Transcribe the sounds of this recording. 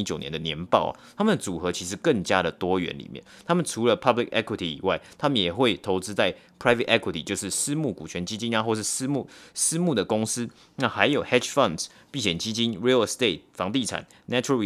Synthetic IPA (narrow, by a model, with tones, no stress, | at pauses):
i˥t͡ɕjo˨˩ʊnjɛ˧˦nd̪ə˨njɛ˧˥npɑ̰˥˨ʊa̰˨˩t̪ʰa˥mə˨nd̪ə˨˩t͡su˨˩xɤ˨˥t͡ɕʰi˧˥ʂɻ̩˧˦kə˥˩ŋt͡ɕja˥ɾə˨t̪wɔ˥ɥɛ̰˧˦nlḭ˨˩mjɛ̰˥˨nt̪ʰa˥mə˨nʈ͡ʂʰu˧˥lə˨pʰɐ˥˧bli˨˩kɛ̰˥kwi˨˧t̪ʰi˨ḭ˨˩wa˥˩ɪt̪ʰa˥mə˨njɛ˨˩xwe˥˩ɪt̪ʰo˧˥ʊt͡sɻ̩˥t͡sa˥˩ɪpʰɹa˥ɪfḛ˨t̪ʔɛ˥kʰwi˨t̪ʰḭ˨t͡ɕjo˥˧ʊʂɻ̩˥˩sɹ̩˥mu˥˩kṵ˨˩t͡ɕʰɥɛ˧˦nt͡ɕi˥t͡ɕi˥na˨xwɔ˥˧ʂɻ̩˥˩s̩˥mu˥˩sɹ̩˥mu˥˩d̪ə˩kʊ˥ŋs̩˦˥ | na˥˩xa˧˥ɪjo˨˩ʊhɛ˥ʂfɐ˥˨˩ns | pi˥˩ɕjɛ˨˩nt͡ɕi˥t͡ɕi˥nɹi˥˨lst̪e˥˩ɪt̪̚fɑ˧˥ŋt̪i˥˩ʈ͡ʂʰa̰˨˩˦n | nɛ˥u˧˥ɔ˦˥